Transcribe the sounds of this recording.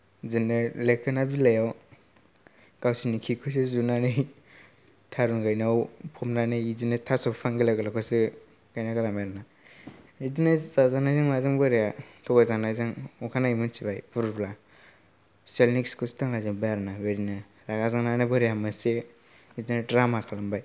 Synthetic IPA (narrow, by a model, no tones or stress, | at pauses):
zɯnɯlekʰɯnabilajaw | ɡ̥awsinikʰikʰɯs̬ezunanɯj | tʰaɾuŋɡajnawpʰɔmnanɯjizinetʰasɔppʰaŋɡɯleɡɯlakʰɔsɯ | ɡ̥ajnaɡalamaɾna | izinazazaŋnajzaŋmazaŋbɯɾejatʰɔɡazaŋnajzaŋɔkʰanaimunsibajpuɾbla | selnikskustaŋlajzabaɾnabeɾina | ɾaɡazaŋnanɯbɔɾejamase | izinadɾamakʰalambaj